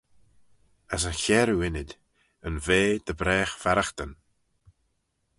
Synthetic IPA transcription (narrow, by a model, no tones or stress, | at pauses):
əs̬əçɛːɾuɪnɪd̪ | ənveːd̪̥əbɾɛːxfaɾaxt̪ən